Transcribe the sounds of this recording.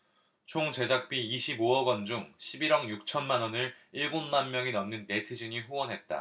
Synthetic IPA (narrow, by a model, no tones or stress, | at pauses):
t͡ɕʰoŋt͡ɕe̞d͡ʑak̚p͈iiɕʰiboʌɡʌnd͡ʑuŋɕʰibiɾʌŋjuk̚t͡ɕʰʌnmanwʌnɯɭiɭɡonmanmjʌŋinʌmnɯnːe̞tʰɯd͡ʑiɲiɸuwʌnɦe̞t̚t͈a̰